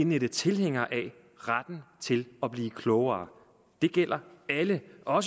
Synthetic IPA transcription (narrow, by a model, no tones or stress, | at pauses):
ened̥ət͡sʰe̝lɦeŋ̰ɐʔɛ | ʁad̥n̩t͡sʰe̝lɒ̽b̥liːkʰlɔʊɐː | d̥e̝ɡ̥el̰ɐæləʔɒ̽s